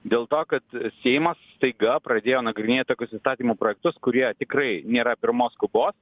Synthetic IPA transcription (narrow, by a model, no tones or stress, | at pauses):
d̪ʲeːlˠt̪oːkɐt̪sʲɛɪmɐsst̪ɐɪɡɐpɾɐd̪ʲeːjoːnɐɡɾʲɪnʲeːt̪̚ʲt̪oːkʲʊsist̪ɑːt̪ʲiːmoːpɾoːjɛk̚t̪ʊskʊɾʲiɛt̪ʲɪkɾɐɪnʲeːɾɐpʲɪɾmoːskʊboːs